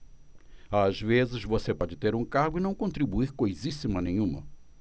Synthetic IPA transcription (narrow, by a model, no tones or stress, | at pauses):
azvezɪzvosepɔd͡ʒɪt̪eɾũkaɾɡʊɪnɐ̃w̃kõnt̪ɾibuiɾkojzisimɐnẽj̃ũmɐ̰